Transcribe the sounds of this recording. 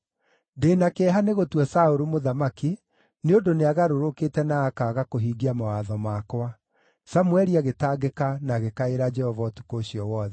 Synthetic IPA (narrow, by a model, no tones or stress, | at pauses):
deːnakeɦaneɣotwɛsaoɾomoðamaki | neondoneaɣaɾoɾoketɛnaːkaːɣakoɦiːɡiamawaðɔmakwa | samwɛɾiaɣetaːɡekanaɣekaeɾad͡ʒɛhɔvatu̥kooɕjɔwɔðɛ